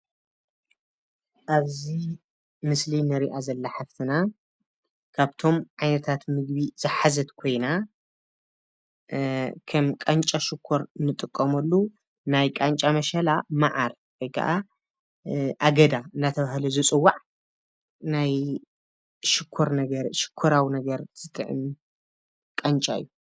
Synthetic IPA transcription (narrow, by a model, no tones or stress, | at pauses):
ʔaβzi | mɨslinɨɾiʔazɐlːɐħaft̪ʰɨna | kʰaβt̪ʰo̞mʕajnɐt̪ʰat̪mɨɡbiz̥ɨħazɐt̪kʰo̞jna | kʰɐmkʼant͡ʃʼaʃɪkʰːoɾnɨt̪ʼɨkʼːɐmɐlːu | najkʼant͡ʃʼamɐʃɐlamaʕaɾ | kʰojkʰɐ̰ʔa | ʔaɡɐd̪aɨnːat̪ʰɐβaɦlɐzɨt͡sʼɨwːaʕ | naj | ʃɪkʰːoɾnɐɡɐɾʃɪ̥kʰːoɾawinɐɡɐɾz̥ɨt̪ʼɨʕɨ̰m | kʼɐnt͡ʃʼa̰ɨ̰jːu